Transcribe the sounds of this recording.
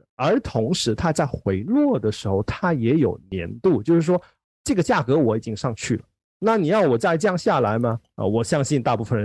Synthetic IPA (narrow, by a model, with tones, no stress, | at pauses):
ə˞˧˥t̪ʰʊ˧˥ŋʂɻ̩˧˥t̪ʰa˥t͡sa˥˩ɪxwe˧˥ɪlwɔ˥˩d̪ə˩ʂɻ̩˧˥xo˥˧ʊt̪ʰa˥jɛ˧˥jo˨˩ʊnjɛ̰˧˥nt̪u˥˩t͡ɕjo˥˧ʊʂɻ̩˥˩ʂwɔ˥ | ʈ͡ʂɤ˥˩ɡə˩t͡ɕja˥˩kɤ˧˥wɔ˧˥i˨˩t͡ɕi˥ŋʂɑ˥˧ŋt͡ɕʰy˥˩lə̰˩ | na˥˩ni˨˩jɑ˥˩ʊwɔ˨˩t͡sa˥˧ɪt͡ɕjɑ˥˧ŋɕja˥˩la˧˥ɪmɐ˧ə̰˧wɔ˨˩ɕjɑ˥ŋɕi˥˧nt̪a˥˧pu˥˩fə˨˩n